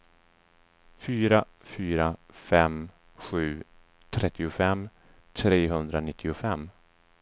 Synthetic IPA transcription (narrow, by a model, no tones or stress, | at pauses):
fyːɾa | fyːɾafɛm | ɧʉ̟ː | t̪ʰɾɛt̪ːɪʊfɛmː | t̪ʰɾeːɦɵnd̪ɾanɪt̪ʰːɪʊfɛmː